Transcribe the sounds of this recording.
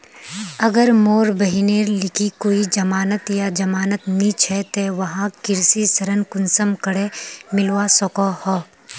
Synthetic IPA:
ɐɡəɾmoːɾbɐɦineːɾlɪkikoːid͡ʒɐmaːnət̪jad͡ʒɐmaːnət̪nĩt͡ʃʰɛt̪eʋɐɦãkɪɾsisɐɾənkʊnsəmkəɽemɪlwasɔkohɔː

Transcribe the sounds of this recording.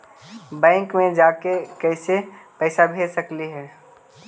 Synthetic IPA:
bɛ̃ːŋkmẽd͡ʒaːkekɛːsepɛːsabʱeːsəkliɦɛː

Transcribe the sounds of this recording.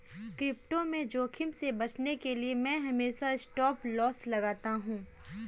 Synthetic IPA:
kɾɪp̚ʈomẽd͡ʒoːkʰɪmsebɐt͡ʃnekeliemɛ̃ːɦɐmeːʃaɪsʈɔːplɔːslɐɡaːt̪aɦũː

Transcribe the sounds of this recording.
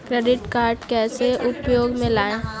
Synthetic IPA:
kɾeːɖɪʈkaːɾʈkɛːseʔʊpjoːɡmẽlaːẽː

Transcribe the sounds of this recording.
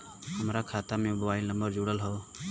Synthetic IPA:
həmɾaːkʰaːt̪amẽbəwaːilnəmbəɾd͡ʒuːɽəlɦɔː

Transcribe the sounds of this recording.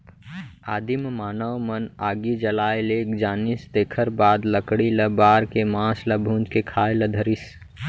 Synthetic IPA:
aːd̪immaːnəwmənaːɡid͡ʒəlaːeleːkd͡ʒaːnisd̪eːkʰəɾbaːd̪ləkɽiləbaːɾkemãːsləbʱũːnd͡ʒkekʰaːeləd̪ʱəɾis

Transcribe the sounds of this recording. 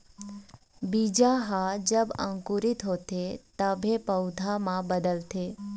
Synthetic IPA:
biːd͡ʒaɦad͡ʒəbə̰̃ŋkuɾɪt̪ɦot̪et̪əbʱẽpəwd̪ʱamãbəd̪əlt̪ʰeː

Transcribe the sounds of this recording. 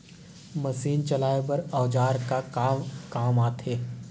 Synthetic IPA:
mɐsiːnt͡ʃɐlaːebɐɾɔːd͡ʒaːɾkakaːkaːmaːt̪ʰeː

